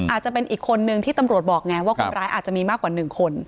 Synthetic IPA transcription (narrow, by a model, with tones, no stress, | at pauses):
aː˨˩t̪̚t͡ɕa˨˩pe˧nʔiː˨˩kʰːo˧nːɯ˧ŋt̪ʰiː˥˩t̪a˧mɾu˨˩ət̪̚bɔː˨˩k̚ŋɛ˦˥waː˥˩ko˧nɾaː˦jʔaː˨˩t̪̚t͡ɕa˨˩miː˧maː˥˩kːwaː˨˩nɯ˨˩ŋkʰo˧n